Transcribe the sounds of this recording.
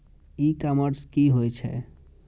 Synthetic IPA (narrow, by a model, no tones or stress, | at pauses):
ikaməɾskiɦojt͡ʃʰɛ̰